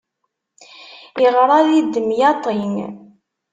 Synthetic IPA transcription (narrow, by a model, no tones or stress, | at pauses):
iʁɾˤɑðid̪ːəmjɑt̪ˤiŋ